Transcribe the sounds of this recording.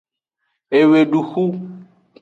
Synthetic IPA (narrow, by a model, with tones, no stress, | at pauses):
e˨we˨ɖu˨xu˦